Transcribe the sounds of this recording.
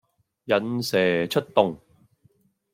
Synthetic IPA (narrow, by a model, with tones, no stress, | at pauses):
jɐ˨nsɛː˨t͡ʃʰɵ˥t̚t̪ʊ˨ŋ